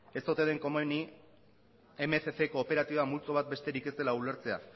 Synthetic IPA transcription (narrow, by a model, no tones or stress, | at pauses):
e̞st̪ot̪eðe̞ŋko̞moni | emeθefekoːpe̞ɾat̪iβamult͡soβ̞at̪̚be̞st̪e̞ɾike̞st̪e̞laule̞ɾt͡se̞a̰